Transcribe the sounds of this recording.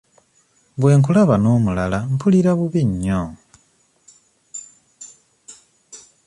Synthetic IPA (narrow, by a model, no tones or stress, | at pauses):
βwe̞ːŋkulaβanoːmulalampʰuliɾaβuβiɲːo